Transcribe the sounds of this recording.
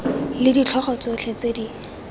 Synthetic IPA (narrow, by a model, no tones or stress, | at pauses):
lɪdit͡ɬʰɔχɔt͡sot͡ɬʰet͡sedi